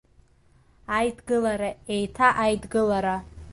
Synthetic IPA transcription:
ajdɡɨlaɾae̞jtʰaʔajdɡɨlaɾa

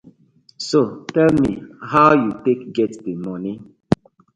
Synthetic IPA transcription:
sotɛlmḭhawjutekɡɛtdemɔni

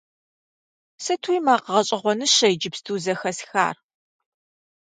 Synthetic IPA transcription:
sɨtʰujmaːqəʁɐɕʼɐʁʷɔnɨɕɐjd͡ʒɪpstʰuːzɐxɐsxa̰ːr

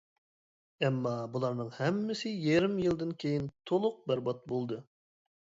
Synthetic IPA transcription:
ɛmːɑbulˠɑɾnɨŋhɛmːɪsɪjɛɾɪmjɨlˠd̪ɨnkʲʰejint̪ʰolˠʊq̚bæɾbɑt̪̚bolˠd̪ɨ

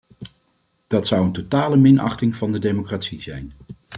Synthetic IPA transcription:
d̥ɑtsʌwəntotaːləmɪnɑ̰χtɪŋv̥ɑndədejmokraːtsizɛjn

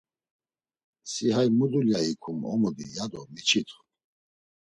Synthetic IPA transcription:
siɦajmud̪uljaikʰumɔ̰mud̪ḭjad̪ɔmit͡ʃʰit̪ʰχ

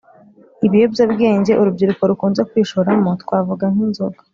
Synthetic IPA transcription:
iβijo̞bɟabɡe̞ːɲɟe̞ʔuɾubɟiɾuko̞ɾukuːnze̞kwiːʃoɾamotwaːvuɡaŋ̥inzoɡo

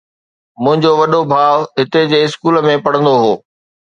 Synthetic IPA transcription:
mʊ̃ɦɪ̃ɲd͡ʑoʋɐɗobʱaːʋɦɪt̪ed͡ʑeːɪskuːləmẽpɐɽə̃nd̪oɦoː

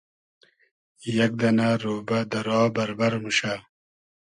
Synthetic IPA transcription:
jɐk̚d̪ɐnaɾoːbad̪ɐɾɑːbɐɾbɐɾmuɕa

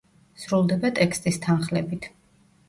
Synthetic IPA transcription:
sɾulˠd̪ɛbat̪ʼɛkst̪ʼist̪ʰanχlɛbit̪ʰ

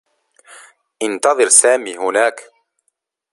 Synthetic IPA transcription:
ʔɪnt̪ɑðˤɨɾsaːmiːhʊnaːk

